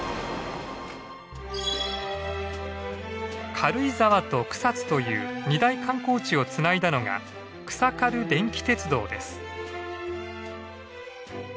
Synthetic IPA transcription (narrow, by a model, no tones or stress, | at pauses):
kʰaɾɯ̟izaβat̪o̞kɯ̟̥sat͡sɨ̥t̪o̞jɯ̟̰ːɲ̟id̪aikãŋko̞ːt͡ɕio̞t͡sɨnaid̪ano̞ɡa̰ | kɯ̟̥sakaɾɯ̟d̪ẽ̞ŋkʲi̥t̪e̞t͡sɨd̪o̞̰ːd̪e̞̰sɨ̥